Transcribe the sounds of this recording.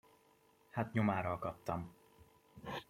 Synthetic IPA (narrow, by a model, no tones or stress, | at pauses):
hat̪ɲomaːɾɒlkɒt̪ːɒm